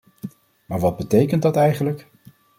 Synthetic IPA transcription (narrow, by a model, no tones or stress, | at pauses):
maːɹʋɑd̚bətejkənt̚dɑtɛjχənlək